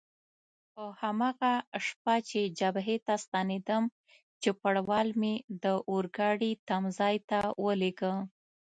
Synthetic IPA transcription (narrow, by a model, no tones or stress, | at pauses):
pəhamɑɣaʂp̚at͡ʃed͡ʒabɦet̪ast̪ɑned̪əm | t͡ʃepaɽwɑlmed̪əʔoɾɡɑɽit̪amzɑjt̪awəleɡə